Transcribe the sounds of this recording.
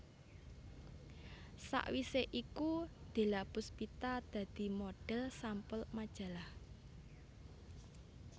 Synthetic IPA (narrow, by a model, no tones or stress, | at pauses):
sa̰ʔwiseʔikud̪̥e̤lapʊspit̪ad̪̥ä̤d̪̥i̤moɖ̥ɛ̤lsampʊlmad̥ʒ̥ä̤lah